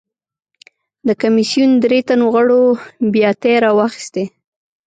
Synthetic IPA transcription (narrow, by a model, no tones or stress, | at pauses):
d̪əkamisijund̪ɾet̪anoɣəɽobjɑt̪eɾɑwɑxi̥st̪e